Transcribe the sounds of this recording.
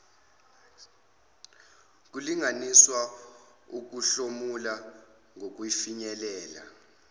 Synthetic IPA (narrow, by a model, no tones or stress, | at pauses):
k̬uliŋaniswa | uk̬uɬomula | ŋʱok̬wifiɲɛlɛːla̰